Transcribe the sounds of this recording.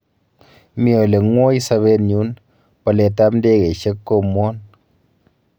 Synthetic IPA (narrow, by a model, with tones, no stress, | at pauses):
mjɔ˨le˨ŋwɔ˦i˦sa˧βe˦nɲu˦n | pa˨le˨ta˦pn̩˦de˦ke˨ʃe˦kːo˦mɔ˦n